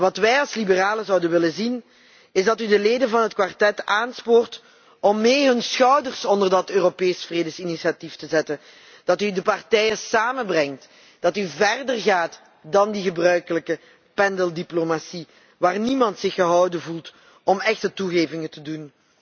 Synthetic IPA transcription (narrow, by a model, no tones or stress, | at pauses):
ʋɑtʋɛjɑlˠslibəraːləzɑwdənʋɪlənzin | ɪzdɑtydəleːdənvɑnɦətkʋartɛtaːnspoːrt | ɔmːeːɦɵnsxœwdərsɔndərdɑtøːropeːsfreːdəsinisiatiftəzɛtən | d̥ɑtydəpɑrtɛjəsaːmənbrɛŋt | d̥ɑtyvɛrdərɣaːt | dɑndiɣəbrœɥkələkə | pɛndəlˠdiplomasi | ʋaːrnimɑntsɪxəɦɑwdəvulˠt | ɔmɛxtətuɣeːvɪŋətədun